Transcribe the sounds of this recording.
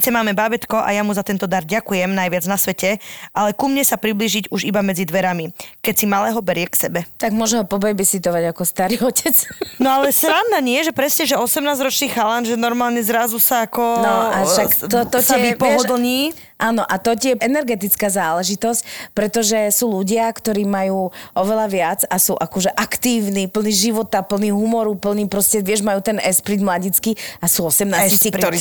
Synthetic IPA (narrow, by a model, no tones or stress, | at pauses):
t͡sɛmaːmɛbabɛt̪kɔʔa̰jamuzat̪ɛnt̪ɔd̪aɾɟakujɛmnajʋɪad͡znasʋɛcɛʔalɛkumɲɛsapɾibliːʒiɟuʒibamɛd͡zid̪ʋɛɾamikɛcsimalɛːɦɔbɛɾɪɛksɛbɛt̪aɡmʊɔʒɛɦɔpɔbɛjbɛsit̪ɔʋaɟakɔst̪aɾiːɔcɛt͡snɔalɛsɾaʋnaːɲɪɛʒɛpɾɛsɲɛʒɛɔsɛmnaːzɾɔt͡ʃniːxalanʒɛnɔɾmaːlɲɛzɾazusaːkɔnɔaʃakt̪ɔt̪ɔaɛipɔɦɔd̪l̩ɲiː | ʔaːnɔʔat̪ɔcɪɛɛnɛɾɡɛt̪̬it͡skaːzaːlɛʒit̪ɔscpɾɛt̪ɔʒɛsuːluɟɪakt̪ɔɾiːmajuːʔɔʋɛlaʋɪad͡zasuːʔakɔʒɛʔakt̪iːʊnipl̩niʒiʋɔt̪apl̩niːɦumɔɾupl̩niːpɾɔscɛʋɪɛʒmajuːt̪ɛnɛspɾid̪mlaɟit͡skiasuːɔsɛmnaːsiɔɾi